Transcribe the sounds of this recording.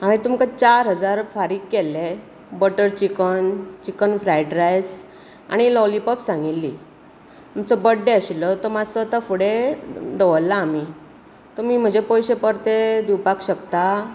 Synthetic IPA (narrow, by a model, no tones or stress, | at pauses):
ãʋit̪umkat͡ɕaɾɦəd͡zaɾfaɾiːɡkelːe | bəʈəɾt͡ɕikənt͡ɕikənfɾajʈɾajs | a̰ɽ̃ilɔlipəpsãŋɡilːi | t̪umt͡səbəɖːeəɕilət̪ɔmasət̪afuɽed̪əʋəlːaːmi | t̪ɔmiːm̤əd͡ʑepɔjɕepəɾt̪ed̪iwpakɕəkt̪a